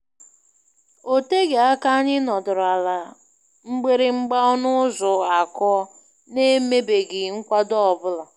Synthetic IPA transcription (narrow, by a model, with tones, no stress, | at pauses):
o˦te˦ɡe˨a˦ka˦a˦ɲɪ˦nɔ˨dʊ˨ɾa˨la˨ | ŋ͡m̩˦ɡ͡be˦ɾɪ˨ŋ͡m̩˦ɡ͡ba˦ɔ˦nʊ˦zʊ˨a˨kɔ˦ | ne˦me˦be˨ɡɪ˨ŋ̩˦kʷa˦dɔ˦ɔ˨bʊ˦la˨